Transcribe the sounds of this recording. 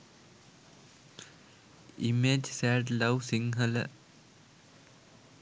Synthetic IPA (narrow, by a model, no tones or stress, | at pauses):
imeːd͡ʒsæːɖlɐwsiŋɦələ̰